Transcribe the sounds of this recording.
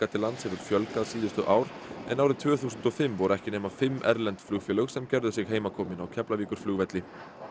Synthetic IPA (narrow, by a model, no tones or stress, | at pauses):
kat̪ʰɪlant̪shɛvʏɾfjœlkaðsiːðʏst̪ʏʔaːwɾɛ̰naːwɾɪt̪ʰv̥œːθuːsʏnt̪ɔfɪmvɔɾɛhcɪneːmafɪmːʔɛ̰ɾlɛnt̪flʏːɣfjœːlœɣsɛmcɛɾðʏsjɛɣɦeːjmakʰɔːmɪnawcʰɛplaviːkʏɾ̥flʏːɣvɛt̪lɪ